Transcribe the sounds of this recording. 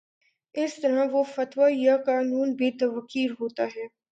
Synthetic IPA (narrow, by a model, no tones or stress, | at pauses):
ɪst̪ɐɾãʋofɐt̪ʋajakaːnuːnbʱit̪ɐʋɐkiːɾɦoːt̪aɦɛː